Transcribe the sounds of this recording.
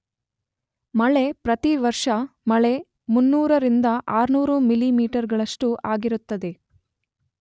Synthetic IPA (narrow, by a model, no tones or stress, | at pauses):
mɐɭe̞pɾɐt̪iʋɐɾʂɐmɐɭe̞ | munːuːɾɐɾind̪ɐʔaːɾnuːɾumilimiːʈɐɾɡɐɭɐʂʈuʔaːɡiɾut̪ːɐd̪e̞